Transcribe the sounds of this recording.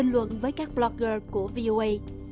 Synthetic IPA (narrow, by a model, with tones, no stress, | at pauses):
ï˧ŋ̟lwə̰˧˨nvəː˨˦jkaː˦˥k̚ɓlɔ˧k̚əː˧ku˧˩əvi˧ʔo˧ʔə˧j